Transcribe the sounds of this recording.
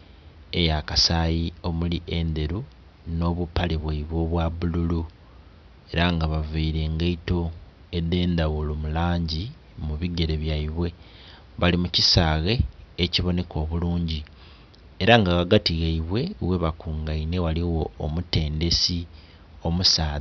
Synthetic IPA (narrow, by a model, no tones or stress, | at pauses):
ejakasajio̞muliʔe̞nd̪e̞ɾu | no̞ːβupːaleβwaiβwo̞βwaβululu | e̞ɾaŋɡaβaveiɾe̞ŋɡeito̞ | ed̪e̞ːnd̪aɣulomulaːɲɟi | muβiɡe̞ɾe̞βjaiβwe̞ | βalimucisaːɣe̞ːciβo̞ne̞kʰo̞ːβuluːɲɟi | eɾaŋɡaɣaɡatiɣeiβwe̞we̞βakuːŋɡaine̞waliwo̞ːmute̞ːnde̞si | o̞musaːð